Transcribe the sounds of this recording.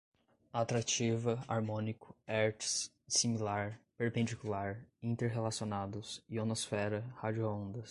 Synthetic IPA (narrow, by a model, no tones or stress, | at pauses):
at̪ɾat͡ʃivɐa̰ɾmõnikʊ̥ɛɾt͡ʃs | similaɾpeɾpẽnd͡ʒikulaɾĩnt̪eɾɦelasionad̪ʊsɪonosfɛɾɐhad͡ʒioõnd̪ɐs